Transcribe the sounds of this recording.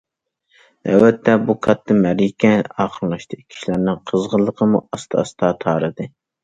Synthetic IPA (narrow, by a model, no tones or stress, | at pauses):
ɛ̰wɛt̪ʰːɛbukʰɑt̪ːɨmæɾikʲɛɑːqʰəlˠlˠɑʃt̪ʰɨkʲʰi̥ʃilæɾnɪŋqʰəzʁəlˠːəqʰəmuɑst̪ʰɑ̰st̪ʰɑt̪ʰɑːɾɨd̪ɨ